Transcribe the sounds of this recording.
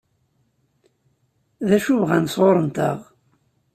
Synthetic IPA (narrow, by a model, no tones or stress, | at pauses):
ðæʃuvʁænsʁoɾˤənt̪ə̰ʁ